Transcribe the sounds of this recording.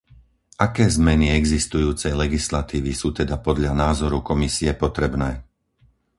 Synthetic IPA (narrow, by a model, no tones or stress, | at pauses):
ʔakɛːzmɛniɛɡzist̪ujuːt͡sɛjlɛɡislat̪iːʋisuːt̪ɛd̪apɔd̪ʎanaːzɔɾukɔmisiɛpɔt̪ɾɛbnɛː